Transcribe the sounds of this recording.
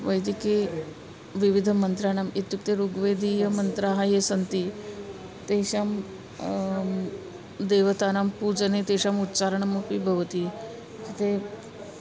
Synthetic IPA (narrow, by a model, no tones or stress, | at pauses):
ʋəjd̪ike | ʋiʋid̪ʱəmənt̪ɾanamet̪juk̚t̪eɾuɡʋed̪ʱijəmənt̪ɾaɦajesənt̪i | t̪eɕam | d̪eʋət̪anampud͡zənet̪eɕamut̪t͡saɾəɳamɐpibʱəʋət̪iː | kit̪e